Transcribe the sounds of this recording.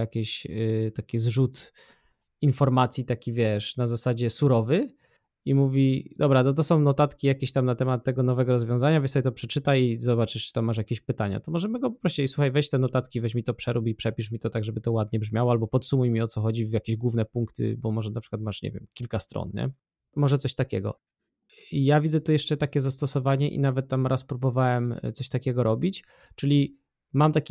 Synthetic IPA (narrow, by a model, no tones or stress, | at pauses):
jakʲeɕt̪akʲizʐut̪ | infɔɾmat̪sʲjit̪akʲivʲjɛʂnazasad͡ʑɛsuɾɔvɘ | imuvʲid̪ɔbɾat̪ɔt̪ɔsɔ̃w̃nɔt̪at̪kʲijakʲeɕt̪amnat̪ɛmat̪ːɛɡɔnɔvɛɡɔɾɔzvʲjɔ̃zaɲavʲjɛnsjt̪ɔpʂɛt͡ʂɘt̪aizɔbat͡ʂɘɨ̥t̪amːaʂ̬jakʲeɕpɘt̪aɲa̰t̪ɔmɔʐɛmɘɡɔpɔpɾɔɕt͡ɕɛisuxajvɛɕt͡ɕt̪ɛnɔt̪at̪kʲivɛɕmʲit̪ɔpʂɛɾubipʂɛpʲiʂmʲit̪ɔt̪aɡʐɛbɘt̪ɔwad̪̚ɲɛbʐmʲjawɔalbɔpɔt̪sumujmʲiɔt̪sɔxɔd͡ʑivjakʲeʑɡwuvnɛpuŋkt̪ʰɘ̰bɔmɔʐɛnapʂɘ̥kwat̪maʂɲɛ̰vʲjɛ̰mkʲilkast̪ɾɔ̰nɲɛ̰ | mɔʐɛt̪sɔɕt̪akʲɛ̰ɡɔ̰ | ijavʲid̪zɛt̪ujɛʂt͡ʂɛt̪akʲɛzast̪ɔsɔvaɲɛʔḭnavɛt̪̚ːamɾaspɾubɔvawɛmt̪sɔɕt̪akʲɛɡɔɾʔɔbʲit͡ɕ | t͡ʂɘlʲi | mamt̪akʲi